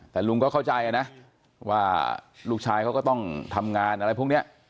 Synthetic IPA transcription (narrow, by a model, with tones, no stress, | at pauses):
t̪ɛː˨˩lu˧ŋkɔː˥˩kʰa˥˩wt͡ɕa˧ja˧na˦˥ | waː˥˩luː˥˩k̚t͡ɕʰaː˧jkʰa˦˥kɔː˥˩t̪ɔ˥˩ŋt̪ʰa˧mŋaː˧nʔa˧ɾa˧jpʰu˥˩ŋni˦˥˩ɐʔ